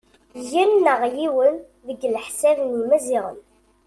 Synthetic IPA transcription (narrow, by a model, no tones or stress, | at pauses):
jænːəʁjiwən | ðəɡːlħsævnumæziʁə̰n